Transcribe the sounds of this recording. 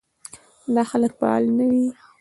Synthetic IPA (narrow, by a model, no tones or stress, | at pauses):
d̪ɑxalək̚paɑ̰lnawi